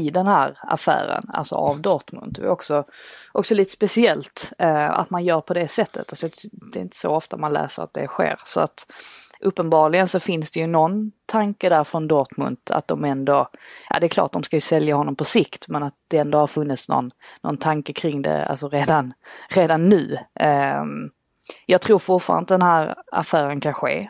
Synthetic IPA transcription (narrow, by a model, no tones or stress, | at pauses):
ɪd̪ɛnhæːɾa̰fæ̰ːɾə̰na̰lsɔ̰ʔavd̪ɔt̪mɵ̰nt̪ɛ̰ɔksɔʔɔksɔliːt̪ə̥spɛsɪɛlt̪a̰t̪manjœːɾpʰɔd̪ɛsɛt̪ːə̰t̪alsɔjɑd̪̥ɛɪnt̪ə̥sɔ̰ɔft̪amanlæ̰ːsəɾa̰t̪̚d̪ɛ̰ɧḛːɾsɔat̪ʔɵpːənbɑːɾlɪɡənsɔfɪnsd̪ɛjɵnɔnt̪ʰaŋkəd̪æɾfɾɔnd̪ɔt̪mɵ̰nt̪ʰa̰t̪̚d̪ɔmɛnd̪ɔjʔɑ̰d̪ɛɾkʰlɑ̰ːʈ̚d̪ɔmskajɵsɛljahɔnːɔmpʰɔsɪkt̪mɛnat̪̚d̪̥ɛɛnd̪ɔhaɾfɵnːɪt̪snɔ̰nːɔ̰nt̪ʰaŋkəkʰɾɪŋd̪ɛ̰a̰lsɔɾeːd̪anɾeːd̪anːʉ̟ː | jɑːɡ̚t̪ʰɾuːɾfʊʈfɑ̰ːɾa̰nd̪əd̪ɛnhæːɾa̰fæːɾənkʰanɧḛː